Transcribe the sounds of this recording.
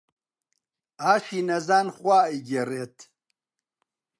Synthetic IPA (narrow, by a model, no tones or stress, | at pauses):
aːʂinɐzaːnχwaːiɡʲereːt̪ʰ